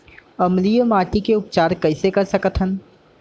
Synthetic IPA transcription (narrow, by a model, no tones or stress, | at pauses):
ɐmlijəmaːʈikeʊp̚t͡ʃaːɾkɐɪsekɐɾsɐkət̪ʰən